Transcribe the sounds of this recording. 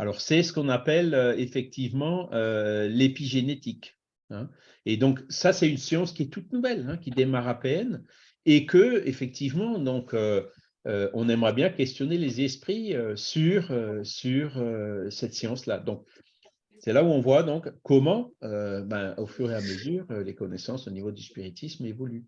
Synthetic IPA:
alɔʁsɛsə̥kɔ̃napɛløefɛk̚t̪ivmɑ̃ølepiʒenet̪ik | ɛ̃ | ed̪ɔ̃ksasɛt̪ynsjɑ̃skʲiɛt̪ut̪nuvɛlɛ̃kʲid̪emaʁapɛn | ekəefɛk̚t̪ʰivmɑ̃d̪ɔ̃kʰø | øɔ̃nɛmʁabjɛ̃kʲɛst̪jɔnelezɛspχiøsyʁøsyʁøsɛt̪sjɑ̃slad̪ɔ̃k̚ | sɛlauɔ̃vwad̪ɔ̃kkːɔmɑ̃øbɛ̃ofyʁeaməzyːʁølekɔnɛsɑ̃sonivod̪yspiʁit̪ʰismevɔly

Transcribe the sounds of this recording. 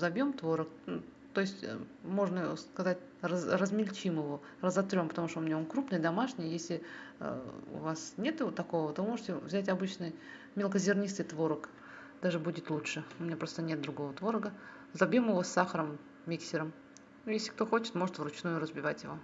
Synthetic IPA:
zɐbʲjomt̪vo̞ɾəkt̪o̞jɪsʲtʲmo̞ʐnəoskɐzatʲ | ərəzmʲɪlʲt͡ɕimjɪvo̞ | rəzɐt̪ɾʲo̞mpət̪ɐmuʂt̪oʊumʲɪnʲaonkɾupnɨjd̪ɐmaʂnʲɪjjesʲlʲɪ̰ | ʊ̰vasnʲe̞t̪t̪ɐko̞vət̪o̞vɨmo̞ʐɨtʲɪvzʲætʲɐbɨt͡ɕnɨj | mʲelˠkəzʲɪrnʲist̪ɨjt̪vo̞ɾək | d̪̥aʐɨbudʲɪt̪lˠutʂɨʊmʲɪnʲapɾo̞st̪ənʲet̪̚d̪ɾʊɡo̞vət̪vo̞ɾəɡə | zɐbʲjomjɪvo̞sʲːaxəɾəmːʲ | iksʲɪɾəm | jesʲlʲɪ̥kt̪o̞xo̞t͡ɕɪ̥t̪mo̞ʐɨt̪vɾʊt͡ɕnujʊɾəzbʲɪvatʲjɪvo̞

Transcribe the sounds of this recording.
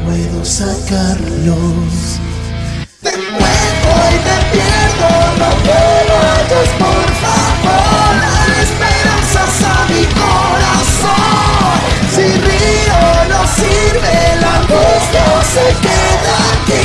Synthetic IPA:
weðosakaɾlos | ðekweðoiðepjeɾðonopelot͡ʃospoɾfaβoɾaespeɾansasamiko | ɾa | s | o | siri | onosiɾβelaŋɡust̪jasekeðaki

